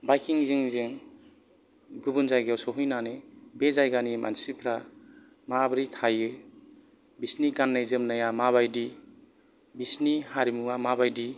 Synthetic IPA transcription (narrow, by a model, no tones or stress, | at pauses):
bajkʰiŋziŋzɯŋ | ɡubunzajɡawsɔɦujnanebezajɡanimʔa̰nsipʰɾa | mabɾitʰajɯ | bisniɡanːajzɯmnajamaβajdi | bisnihaɾimuamabajdi